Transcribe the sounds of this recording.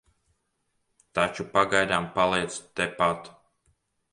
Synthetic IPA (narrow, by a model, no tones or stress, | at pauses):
t̪at͡ʃupaɡajd̪ampalˠiɛt̪st̪ɛpat̪